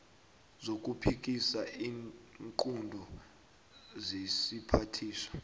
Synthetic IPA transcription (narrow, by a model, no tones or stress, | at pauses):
zok̬ʼupʰik̬isaiːŋǃundʱɔ | zesipʰatʰiːsḁ